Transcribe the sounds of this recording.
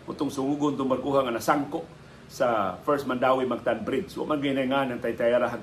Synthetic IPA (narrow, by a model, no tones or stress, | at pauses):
ṵt̪ʊŋsuŋuɡʊnt̪uŋbarkuɦaŋanasaŋkoʔ | safɛɾs̚mandawimak̚t̪anbɾid͡ʒswa̰ʔmanɡinajŋanant̪ait̪ajaɾaɦa